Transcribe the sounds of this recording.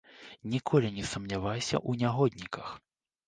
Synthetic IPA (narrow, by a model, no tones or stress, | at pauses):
nʲikʰɔlʲinʲɛsɐmnʲavajsʲɐ̰ʔunʲaɦɔd̪ʲnʲikɐx